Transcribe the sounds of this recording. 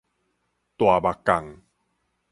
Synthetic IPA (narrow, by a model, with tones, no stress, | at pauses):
t̪wa˨˩ba˨˩kːa˨˩ŋ